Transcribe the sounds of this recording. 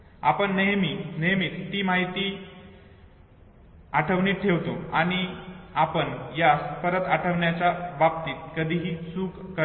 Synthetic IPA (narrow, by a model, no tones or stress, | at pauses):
a̰pəɳneminejmiːt̪ːiːmaɦit̪iː | aʈʰəʋɳiːʈʰeʋt̪oaɽ̃iapəɳjaspəɾət̪aʈʰəʋɳjat͡ɕjaʋap̚t̪iːt̪̚kəd̪ʱiːɦiːsuːk | kə